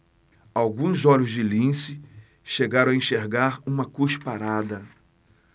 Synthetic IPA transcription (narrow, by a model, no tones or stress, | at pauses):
awɡũzɔʎʊzd͡ʒɪlĩsɪ | ʃeɡaɾõw̃aẽʃeɾɡaɾũmɐkuʃpaɾad̪ɐ